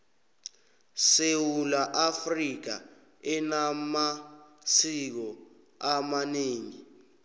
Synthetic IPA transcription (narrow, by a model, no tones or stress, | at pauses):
sewulaʔafriɡ̥̬a̰ | ɛnamasik̬ɔ | amaneːŋi